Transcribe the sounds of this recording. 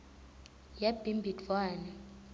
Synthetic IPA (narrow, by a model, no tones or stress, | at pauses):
jab̥ʱimbʱidvwaːnɛ